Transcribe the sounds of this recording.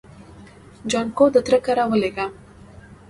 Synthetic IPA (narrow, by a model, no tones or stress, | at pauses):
d͡ʒɔːnkod̪ət̪ɾəkɐɾaʋəleːɡaː